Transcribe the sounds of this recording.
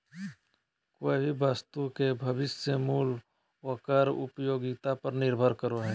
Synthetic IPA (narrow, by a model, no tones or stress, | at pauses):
koːebʱibaːst̪ukebʱəbɪsjəmuːl | wəkəɾʊ̰pjoːɡɪt̪apəɾnɪɾbʱəɾkəɾoɦɛ̃ː